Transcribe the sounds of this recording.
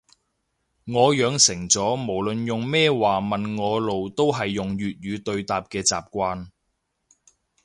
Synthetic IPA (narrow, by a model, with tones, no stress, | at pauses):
ŋɔː˨˧jœː˨˧ŋsɪ˨˩ŋt͡sɔː˨˥mo˨˩wlɵ˨njʊ˨ŋmɛː˥waː˨mɐ˨nŋɔː˨˧lo˨wt̪o˥wɦɐ˨jːʊ˨ŋjyː˨t̚jyː˨˧t̪ɵ˧ɥt̪aː˨p̚kɛː˧t͡sa̰ː˨p̚kʷaː˧n